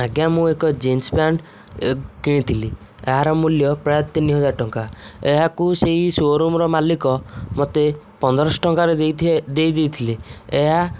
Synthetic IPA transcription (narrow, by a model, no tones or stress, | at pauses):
aɡjamũekɔd͡ʒensbjaɳ | kiɽ̃it̪ʰili | ḛɦaɾɔmuljɔpɾajɔt̪iniɦɔd͡ʒaɾʈɔŋkaeɦakuseɦisoɾumɾɔmalikɔmot̪e | pɔnd̪ɔɾɔsɔ̥ʈɔŋkaɾed̪ed̪ejt̪ʰilieɦa